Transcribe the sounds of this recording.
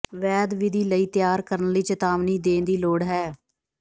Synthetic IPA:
ʋɛːd̪ʋɪd̪iːləiːt̪jaːɾkəɾənləiːt͡ʃət̪aːʋniːd̪ẽːnd̪iːloːɽɦɛː

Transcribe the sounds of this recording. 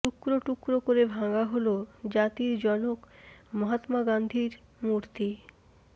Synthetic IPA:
ʈukɾoʈukɾokoɾebʱaŋaɦolod͡ʑat̪iɾd͡ʑɔnokmɔɦat̪maɡand̪ʱiɾ | muɾt̪i

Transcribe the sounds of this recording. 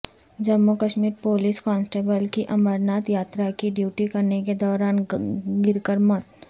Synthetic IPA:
d͡ʒɐmːukəʃmiːɾpoːliskɔ̃ːnsʈeːbəlkiʔɐməɾnaːt̪jaːt̪ɾakiɖjuːʈikɐɾneked̪ɔːɾaːnɡɪɾkəɾmɔt̪

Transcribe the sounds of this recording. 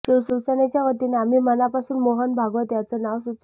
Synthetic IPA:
siwsusənet͡ɕjaʋət̪ineamiːmənapasuːnmoɦənbʱaɡʋət̪jat͡sɔnaʋsut͡s

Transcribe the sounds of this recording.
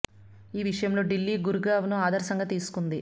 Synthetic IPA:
iːʋiʂɐjɐmlo̞ːɖilːiːɡuɾuɡaːʋnuaːd̪ɐɾsɐŋɡaːt̪iːsu̥kund̪i

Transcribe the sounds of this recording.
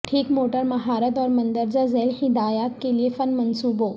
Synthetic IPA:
ʈʰiːkmoːʈəɾmɐɦaːɾət̪̬ɔːɾmɐ̃nd̪əɾd͡ʒazeːlhɪd̪aːjaːt̪̚keliefɐnmɐnsuːboː

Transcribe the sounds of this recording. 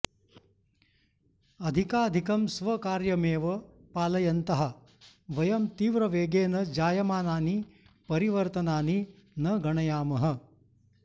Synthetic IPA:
ɐd̪ʱikaːd̪ʱikɐmsʋɐkaːɾjɐmeːʋɐ | paːlɐjɐnt̪ɐɦɐ | ʋɐjɐmt̪iːʋɾɐʋeːɡeːnɐd͡ʒaːjɐmaːnaːni | pɐɾiʋɐɾt̪ɐnaːni | nɐɡɐɳɐjaːmɐɦɐ̆

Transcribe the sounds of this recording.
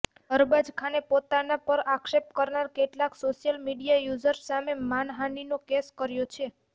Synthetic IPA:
əɾbad͡ʒkʰanepot̪anapəɾakʃepkəɾnaɾkeʈlaksoʃijəlmiɖijajud͡ʒəɾsamemanɦaninokeskəɾjot͡ʃʰe

